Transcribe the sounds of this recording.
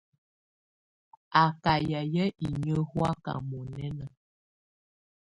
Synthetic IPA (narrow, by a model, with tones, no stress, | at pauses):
a˨ka˨jə˨jə˦ʔi˨ɲə˦hwa˦ka̰˨mɔ˨nɛ˦nə˨